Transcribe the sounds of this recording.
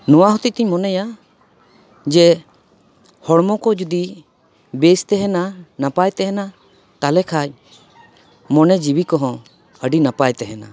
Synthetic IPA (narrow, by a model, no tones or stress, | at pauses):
nɔwaɦɔt̪ic̚t̪iɲmɔnɛja | d͡ʒɛ | hɔɽmɔkɔd͡ʒud̪i | best̪ɛɦɛnanapajt̪ɛɦɛna | t̪alɛkʰac̚ | mɔnɛd͡ʒibikɔɦɔ̃ | əɖinapajt̪ɛɦɛna̰